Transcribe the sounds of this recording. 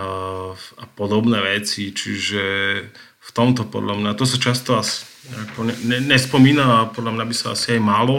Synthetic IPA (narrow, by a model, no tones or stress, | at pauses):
apɔd̪ɔbnɛːʋɛt͡sit͡ʃiʒɛ | ft̪ɔmt̪ɔpɔ̰d̪lamɲat̪ɔsat͡ʃast̪ɔasi̥ɲakɔɲɛɲɛɲɛspɔmiːnapɔd̪lamɲabisaa̰siajmalɔ